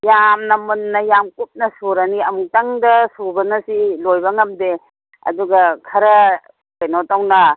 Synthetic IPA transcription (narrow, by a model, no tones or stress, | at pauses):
jamnɐmunːɐjamkup̚nɐsuɾaniɐmutaŋdɐsubɐnɐsilojbɐŋɐmde | ɐ̰duɡɐkʰɐɾɐ | kajnotawnɐ